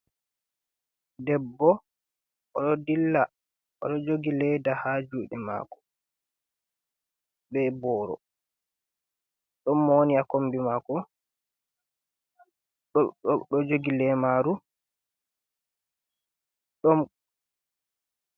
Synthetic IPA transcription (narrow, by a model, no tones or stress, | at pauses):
dɛbːɔ | ɔɗɔdilːa | ʔɔ̰ɗɔd͡ʒoɡilɛdahad͡ʒuːɗɛma̰ːkɔ̥ | bɛbɔːɾɔ̰ | ɗɔmːɔwoniakombimakɔ | ɗɔd͡ʒoɡilɛmaːɾu | ɗɔm